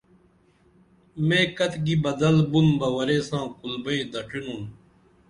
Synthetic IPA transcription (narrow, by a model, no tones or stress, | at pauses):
mẽːkɐt̪ɡibɐd̪ɐlbunbɐwɐɾeːsãːkulbɐid̪ɐʈʰinũː